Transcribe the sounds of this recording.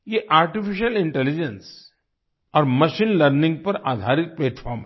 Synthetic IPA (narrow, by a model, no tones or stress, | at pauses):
jeʔaːɾʈifiʃəlɪ̃ɳʈɛlid͡ʒẽns | ɔːɾməʃiːnləɾnĩŋɡ̚pɐɾaːd̪ʱaɾik̪̚pleːʈfʰɔːɾmɦɛ